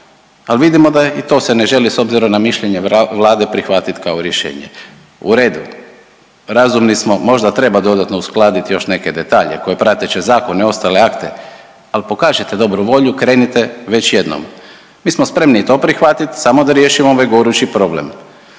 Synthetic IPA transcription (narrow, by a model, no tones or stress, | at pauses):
alʋid̪imo̞d̪ait̪o̞ːsene̞ʒe̞liso̞bziɾo̞mnamiʃʎe̞ɲe̞ʋlˠaːd̪e̞pɾixʋat̪it̪kaoɾjeʃḛːɲḛ | uɾe̞ːd̪u | ɾazumnismo̞mo̞ʒd̪at̪ɾe̞bad̪o̞d̪at̪no̞usklˠaːd̪it̪jo̞ʃne̞ke̞d̪e̞t̪aːʎe̞̰ko̞jepɾat̪et͡ɕezaːko̞neo̞st̪ale̞akt̪e̞̰ | alpo̞kaːʒet̪e̞d̪o̞bɾuʋo̞ʎukɾe̞ːnit̪e̞ʋe̞t͡ɕje̞d̪no̰m | miːsmospɾe̞mnit̪o̞ːpɾixʋat̪it̪samo̞d̪aɾje̞ʃimooʋajɡo̞ɾut͡ɕipɾo̞blḛm